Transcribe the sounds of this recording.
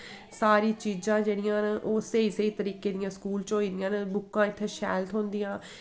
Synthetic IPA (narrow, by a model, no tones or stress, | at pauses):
saːɾiːt͡ʃiːd͡ʒãːd͡ʒeːɽɪjãːnʔoːseiːseiːt̪əɾiːkeːd̪ɪjãːskuːlt͡ʃoːiːd̪ɪjãːnbʊkːãːɪt̪ʰːeːʃɛ̰ːlt̪ɦõːnd̪ɪjãː